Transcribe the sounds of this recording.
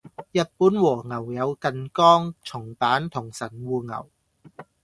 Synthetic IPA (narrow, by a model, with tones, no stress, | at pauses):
jɐ˨t̚puː˨˥nwɔː˨˩ŋɐ˨˩wjɐ˨˧wkɐ˨nkɔː˥ŋt͡sʰʊ˨˩ŋpaː˨˥nt̪ʰʊ˨˩ŋsɐ˨˩nwuː˨˧ŋɐ̰˨˩w